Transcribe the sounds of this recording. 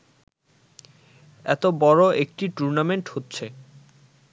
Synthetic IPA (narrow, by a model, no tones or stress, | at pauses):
ɛ̰t̪obɔɾoek̚ʈiʈuɾnameɳʈhotːɕʰe